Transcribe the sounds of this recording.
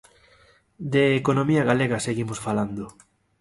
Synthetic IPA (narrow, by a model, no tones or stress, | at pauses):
d̪eːkonõmiɐɣaleɣɐseɣimosfaland̪o